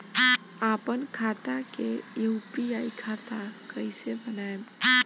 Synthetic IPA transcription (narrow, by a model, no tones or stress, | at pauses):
apənkʰat̪akeuupiaikʰat̪akəɪsebənaem